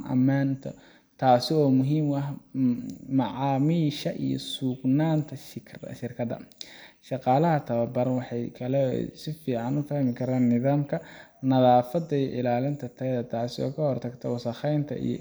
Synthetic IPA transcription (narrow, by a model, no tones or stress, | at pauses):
nʔɐ̰maːnt̪ʰɔ̰ | t̪ʰaːsɪɔːmʊɦiːmɐɦ | mɑʕɑːmiːʃɐʔḭjɔ̰suːɡnaːnt̪ʰɐʃɪrkʰɐdɐ̰ʃɑqɑːlɐɦɐt̪ʰɐβɐbɐɾɐnwɑħɑjkʰɐlɛ̰sɪfiːʕɑnʊfahmɪkʰɐɾaːnːɪðaːmkʰɐnɐðaːfɐd̪ɐijʔɪlaːlɪnt̪ʰɐt̪ʰɐðɐt̪ʰaːsɪɔ̰ːkʰɐhɔrt̪ʰɐɡt̪ʰɐwɑsɐχɛjnt̪ʰɐ̰ḭj̰